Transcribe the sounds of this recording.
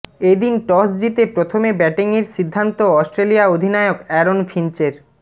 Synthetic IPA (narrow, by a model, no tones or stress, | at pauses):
ed̪inʈɔsdit̪epɾot̪ʰomebɛʈiŋeɾʃid̪ʱːant̪oɔsʈɾelijaod̪ʱinaeokɛɾonfʰint͡ɕeɾ